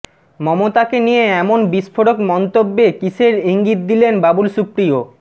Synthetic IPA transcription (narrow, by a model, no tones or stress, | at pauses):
mɔmot̪akenijeɛmonbiʃfoɽokmɔnt̪obːekiʃeɾiŋɡit̪̚d̪ilenbabulʃupɾio